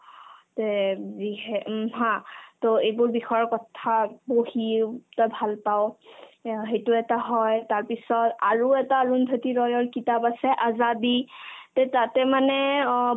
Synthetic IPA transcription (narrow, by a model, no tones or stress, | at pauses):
teziɦɛɦãtoejbʊɹbixɔjɔɹkɔtʰaboɦitɔjbʱalpaʊ | ɦejtuɛtaɦɔjtaɹpisɔta̰ɹuɛtaɹundʱatiɹɔjɔɹkitapasɛʔazaditɛtatɛmanɛ